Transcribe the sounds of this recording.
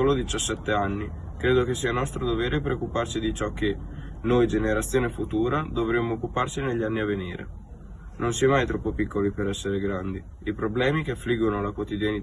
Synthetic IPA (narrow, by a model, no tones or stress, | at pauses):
olod̪it͡ʃasːɛt̪ːeanːi | kɾeːd̪okesːiːanɔst̪ɾod̪oveːɾepeɾokːupart͡ʃid̪it͡ʃɔkːenojd͡ʒeneɾat̪sːjoːnefut̪uːɾad̪ovɾemːoːkːuparsineʎːianːiavːenḭːɾḛ | nʔonsiamajt̪ɾɔpːopikːolipeɾɛsːeɾeɡɾand̪i | ipɾoblɛːmikeafːliɡonolakwot̪id̪jani